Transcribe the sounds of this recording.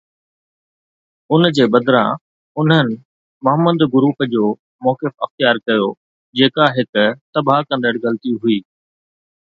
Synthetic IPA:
ʊnd͡ʑeːbɐd̪ɾã | ʊn̤ənɪ̆ | mʊɦəmːəd̪ɡʊɾuːɦəd͡ʑoː | mɔːkɪfɐxt̪ɪjaːɾkɐjo | d͡ʑeːkaɦɪkʊt̪ɐbʱakɐ̃nd̪əɽɣɐlt̪iɦuiː

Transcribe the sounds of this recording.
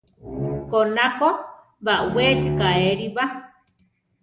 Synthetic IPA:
konako | βaʔwet͡ʃkaeɾiβa

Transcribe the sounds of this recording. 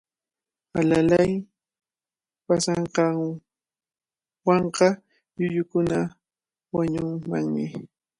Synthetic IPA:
alalaj | pasɑɴqɑ | wɑɴqɑ | ʎʊʎʊkʊna | waɲʊŋma̰ŋmɪ

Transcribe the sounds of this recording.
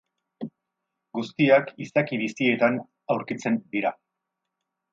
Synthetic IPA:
ɡust̪iakisakiβisie̞t̪an | awɾkit͡se̞nd̪iɾa

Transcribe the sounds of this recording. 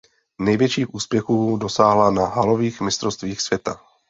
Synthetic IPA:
nɛjvjɛt͡ʃiːxʔuːspjɛxuːdo̞saːɦlanaɦalo̞viːxmɪst̪ɾost̪viːxsv̥jɛt̪a

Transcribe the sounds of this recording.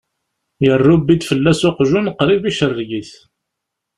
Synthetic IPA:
jərːubid̪fəlːæsoqʒunqːɾiviʃərˤːɡiθ

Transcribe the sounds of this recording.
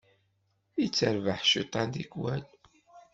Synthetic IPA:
it͡sːəɾvəħʃit̪ˤːɑnd̪ikwæl

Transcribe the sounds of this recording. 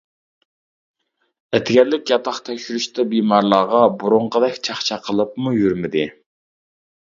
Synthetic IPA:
ɛt̪ɡʲɛlːɪkʲjɑt̪ʰɑχt̪ʰɛkʲʃyɾyʃt̪ɛbimɑɾlˠɑːʁɑbuɾʊɴqʰəd̪ɛkʲt͡ʃʰɑχt͡ʃʰɑqʰəlˠəpmujyɾmɪd̪ɪ

